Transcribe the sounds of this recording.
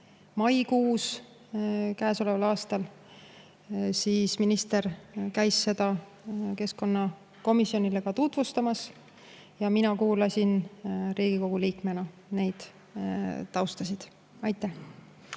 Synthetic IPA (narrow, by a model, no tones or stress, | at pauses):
mɑjkuːs | kæːso̞levɑlɑːst̪ɑl | siːsminist̪e̞rkæjsːe̞d̪̥ɑ | ke̞sko̞nːɑ | ko̞misːio̞nile̞ɡ̥ɑt̪ut̪vust̪ɑmɑs | jɑminɑkuːlɑsʲinɾiːɡ̥iko̞ɡ̥uliːkme̞nɑ | ne̞jd̪̥ | t̪ːɑwst̪ɑsid̪̥ | ɑjt̪ˑːæh